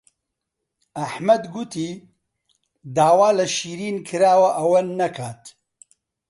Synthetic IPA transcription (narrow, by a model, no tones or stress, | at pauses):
ɐħmɐd̪ɡut̪iː | d̪aːwaːlɐʃiːɾiːnkʰɨɾaːwɐʔɐwɐnɐkʰaːt̪